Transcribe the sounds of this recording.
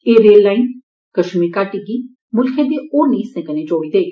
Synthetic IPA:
eːɾeːlːaːɪn | kəʃmikaːʈɪɡiː | mʊlkʰẽd̪iːoːɾniːsɛ̃kənẽd͡ʒoːiːd̪eː

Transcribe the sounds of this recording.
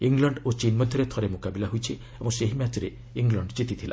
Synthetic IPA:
iŋɡlɔɳɖot͡ʃinmɔd̪ʱjɔɾet̪ʰɔɾemokabilaɦujt͡ʃʰi | ebɔŋseɦimjat͡ʃɔɾe | iŋɡlɔɳɖt͡ʃit̪it̪ʰila̰

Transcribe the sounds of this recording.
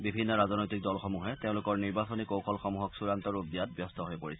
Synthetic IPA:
bibʱinːɔɹazɔnojtik̚dɔlxɔmuɦɛteʊ̃lʊkɔɹniɹbasɔnikowxʰɔlxɔmuɦɔksuɹantɔɹubijat̚bjɔstɔɦojpoɹisɛ

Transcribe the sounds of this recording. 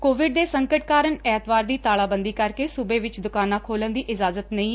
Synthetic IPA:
koːʋɪɖ̚d̪eːsəŋkəʈkaːɾənɛːt̪ʋaːɾd̪iːt̪aːɭaːbənd̪iːkəɾkeːsʊbeːʋɪt͡ʃd̪ʊkaːnãːkʰoːlənd̪iːʔɪzaːzət̪nəĩː

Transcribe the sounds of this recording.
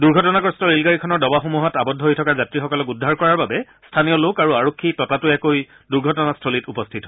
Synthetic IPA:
duɹɡʱɔtɔnakɔstɔlilɡaɹikʰɔnɔɹdɔbaxumuɦɔtabɔdʱːɔɦojtʰɔkazatɹixɔkɔlɔkudʱːaɹkɔɹaɹbabɛ | stʰanijɔlokaɹuaɹokʰːitɔtatuɛkoj | duɹɡʱɔtɔnastʰolitupɔstʰitɦɔ

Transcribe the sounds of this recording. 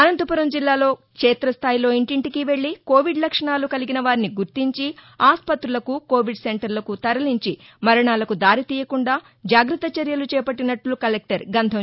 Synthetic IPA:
ɐnɐnt̪upuɾɐmd͡ʒilːaːlo̞ːkʂɛːt̪ɾɐst̪ʰaːjilo̞ːiɳʈiɳʈikiʋe̞ɭːiko̞ːʋiɖlɐkʂɐɳaːlukɐliɡinɐʋaːɾiniɡuɾt̪iɲt͡ʃiaːspɐt̪ɾulɐkuko̞ːʋiɖse̞ɳʈɐɾlɐkut̪ɐɾɐliɲt͡ʃimɐɾɐɳaːlɐkud̪aːɾit̪iːjɐkuɳɖaː | d͡ʒaːɡɾɐt̪ːɐt͡ʃɐɾjɐlut͡ʃɛːpɐʈːinɐʈlukɐlek̚ʈɐɾɡɐnd̪ʱɐm

